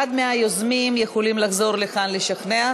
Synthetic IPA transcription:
ad̪meajozmimjexolimlaχzo̞ɾlexanleʃaχnea

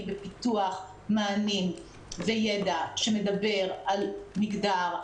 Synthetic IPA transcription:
bepituaχ | maːnin | vejedaʃeme̞dabe̞ʁalmiɡdaʁ

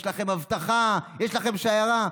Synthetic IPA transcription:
ʃlaχe̞mhavt̪aχajeʃlaχe̞mʃajaʁa

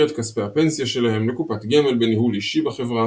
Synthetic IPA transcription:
et̪kaspeape̞nsijaʃe̞lahe̞mlekupatɡeme̞lbenihuliʃibaχe̞vʁa

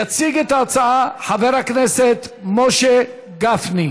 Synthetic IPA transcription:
at͡siɡet̪at͡saaħaveɾakneset̪moʃe | ɡafni

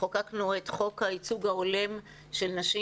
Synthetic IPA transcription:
okaknuet̪χo̞khait͡suɡhaole̞m | ʃe̞lnaʃi

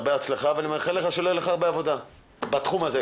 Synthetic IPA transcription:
beat͡sleχaveanimeχeleχaʃeloleχaːʁbeavo̞d̪a | bat̪χumaze

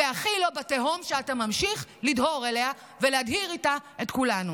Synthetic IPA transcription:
eaχilobateɦomʃeatamamʃiχlidho̞ʁelea | veleadhiʁitaetkulanu

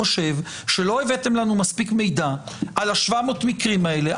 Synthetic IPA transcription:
oʃe̞v | ʃe̞lo̞e̞ve̞temlanumaspikme̞jd̪aʔalaʃvamo̞tmikʁimae̞leʔ

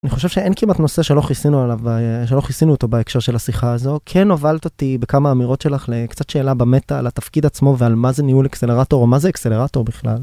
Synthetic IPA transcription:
aniχo̞ʃe̞v̥ʃeenkimat̪no̞seʃelo̞χisinualavbaʃelo̞χisinuːt̪o̞baekʃeʁʃe̞lasiχaːzo̞kʰenovalt̪ot̪ibekamaːmiʁo̞tʃelaχlekt͡satʃe̞ːlabamet̪a̰ːlat̪afkid̪at͡smo̞vealmazeniulekseleʁato̞ʁomazeːkse̞le̞ʁato̞ʁbiχla̰l

